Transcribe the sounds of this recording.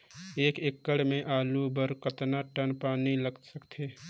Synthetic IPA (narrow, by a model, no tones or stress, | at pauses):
eːkekːəɽmẽʔaːlubəɾkət̪naʈənpaːniləɡsəkt̪ʰeː